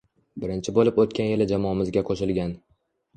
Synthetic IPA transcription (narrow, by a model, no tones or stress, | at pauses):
bɪɾɪnt͡ʃʰɪbolˠɪpot̪̚kʲʰanjɪlɪd͡ʒamɒmɪzɡʲaqʰoʃɪlˠɡʲan